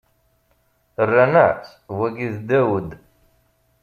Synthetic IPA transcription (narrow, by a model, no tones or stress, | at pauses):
ərːænəʕs | wæɡiðd̪æwəd̪